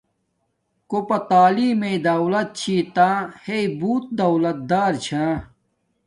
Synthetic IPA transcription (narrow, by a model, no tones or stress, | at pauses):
kopɐt̪aːliːmed̪ɐwlɐt̪̚t͡ɕʰiːt̪ãːheibuːt̪̚d̪ɐwlɐt̪̚d̪aːɾt͡ɕʰãː